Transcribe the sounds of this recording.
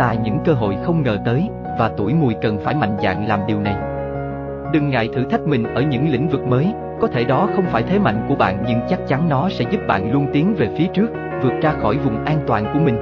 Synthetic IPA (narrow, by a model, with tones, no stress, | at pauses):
t̪a̰ː˧˨jɲɨ̰˧˥ŋkəː˧ɦo̰˧˨jxə˧wŋ͡mŋəː˨˩t̪əː˨˦j | vaː˨˩t̪u˧˩əjmu˨˩əjkə˨˩nfaː˧˩jma̰˧˨jŋ̟za̰ː˧˨ŋlaː˨˩mɗi˨˩əwna˨˩j | ɗɨ˨˩ŋːa̰ː˧˨jt̪ʰɨ̰˧˩t̪ʰa˦˥k̟̚mï˨˩ŋ̟ʔəː˧˩ɲɨ̰˧˥ŋlḭ˧˥ŋ̟vɨ˨˩k̚məː˨˦j | kɔ˨˦t̪ʰe˧˩ɗɔ˨˦xə˧wŋ͡mfaː˧˩jt̪ʰe˨˦ma̰˧˨jŋ̟ku˧˩əɓa̰ː˧˨nɲɨ̰˧nt͡ɕa˦˥k̚t͡ɕa˨˦nnɔ˨˦sɛ̰˧˥zu˦˥p̚ɓa̰ː˧˨nlu˧ənt̪i˨˦əŋve˨˩fi˨˦ət͡ɕɨ˦˥ək̚ | vɨ˨˩ət̚zaː˧xɔ˧˩jvʊ˨˩ŋ͡mʔaː˧nt̪waː˨˩nku˧˩əmï˨˩ŋ̟